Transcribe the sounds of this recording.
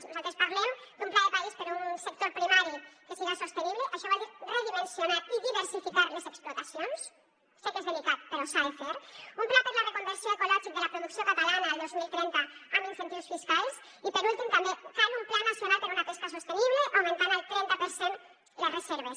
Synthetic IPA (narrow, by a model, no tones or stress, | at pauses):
nuzalt̪ɾespaɾlɛmd̪umplaðəpaispəɾunsək̚t̪oɾpɾimaɾikəsiɣasost̪eniβləʔəʃɔβalireðimensjonaiðiβəɾsifikaɾləzəksplut̪ɐsjons | sekezðelikat̪̚pəɾosalfeɾumplap̪əɾðərekumb̪əɾsjoekulɔʒik̚d̪əlɐpɾuðuksiokat̪alanɐːlˠd̪ozmilˠt̪ɾɛnt̪əːminfent̪iwsfiskalˠs | ipəɾulˠt̪imt̪ɐmbefanumplanasjonalpəɾunapest̪əs̬ost̪əniβ̞ləʔowment̪anəlˠt̪ɾɛnt̪apəɾsen | lərəzeɾβ̞es